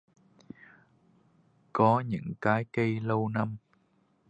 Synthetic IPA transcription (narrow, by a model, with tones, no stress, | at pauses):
kɔ˨˦ɲɨ̰˧˥ŋkaː˨˦jkə˧jlə˧wna˧m